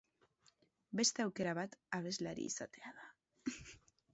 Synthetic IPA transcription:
be̞st̪aawkeɾaβat̪aβ̞ezlaɾḭsat̪eaða

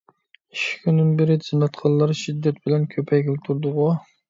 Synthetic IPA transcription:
iʃi̥kʲʰynd̪ɪnbɪɾɪd͡ʒɨnɑt̪qʰɑllˠːɑɾʃid̪ːɛt̪̚bɪlɛnkʲʰøpʰɛjɡʲilt̪ʰuɾd̪ʊʁʊ

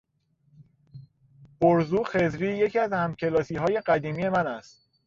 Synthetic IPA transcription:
boɾzuːxe̞zɾiːje̞cʰiæzhæmcʲʰe̞lɒːsiːɦɒːje̞ɢæd̪iːmiːje̞mænæst̪̚

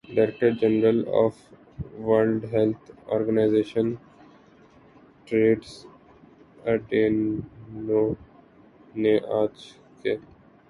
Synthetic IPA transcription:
ɖaɾek̚ʈəɾd͡ʒənəɾəlɔ̰ːf | ʋɐlɖɦɛlt̪ʰɔ̰ːɾɡənaɪzeːʃən | ʈɾeːʈs | əɖenno | neʔaːt͡ʃ | ke

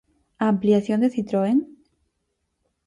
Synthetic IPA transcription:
ampliaθjond̪eθit̪ɾoen

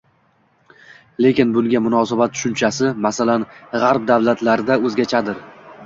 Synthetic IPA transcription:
le̞kʲɪnbʊlˠɡʲamʊnɒsabat̪̚ːʰʊ̥ʃʊnt͡ʃʰasɪmasalanʁaɾp̚d̪avlat̪ʰlaɾɪd̪aɵzɡʲat͡ʃʰad̪ɪɾ

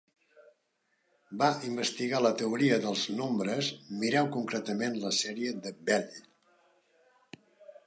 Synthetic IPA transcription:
baimbəst̪iɣalət̪əuɾiəðəlˠznombɾəzmiɾɛwkuŋkɾɛt̪əmenləsɛɾiəðəbɛʎ

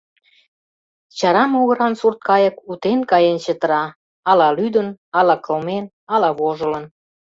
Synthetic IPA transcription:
t͡ɕɑɾɑmoɣə̆ɾɑnsurt̪̚kɑjə̆kut̪enkɑjent͡ɕət̪ə̆ɾɑː | lɑlyd̪ənɑlɑkəlmen | ɑlɑβoʒə̆lə̆n

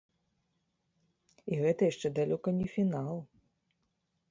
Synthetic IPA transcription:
iɣɛt̪ɐjaʂt͡ʂɛd̪alʲɔkɐnʲɛfʲinalˠ

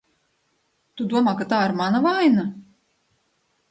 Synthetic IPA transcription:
t̪ud̪uɔmaːkat̪aːiɾmanavajna

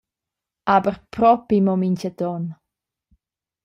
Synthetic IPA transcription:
abəɾpɾɔpimɔmincad̪ɔn

